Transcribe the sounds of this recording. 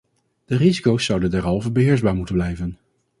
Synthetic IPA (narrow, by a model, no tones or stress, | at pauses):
d̥ərizikowsːʌwdəndaɹɑlˠvəɹbəɦɪːɹzbaːɹmutənblɛjvən